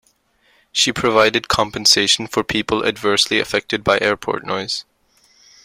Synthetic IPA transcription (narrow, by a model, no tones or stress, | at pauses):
ʃipʰɹ̥ɨvaɪdɨd̚kʰɑ̃mpɨ̃nseɪʃn̩fə˞pʰipəlˠɨ̰dvɜ˞sliɨ̰fɛk̚tɨd̚baɪʔɛɹpʰɔ̰ɹtⁿnɔɪz̥